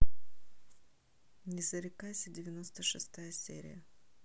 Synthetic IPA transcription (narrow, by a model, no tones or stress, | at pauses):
nʲɪzəɾʲɪkajsʲədʲɪvʲɪno̞st̪əʂɨst̪ajəsʲḛɾʲɪ̰jə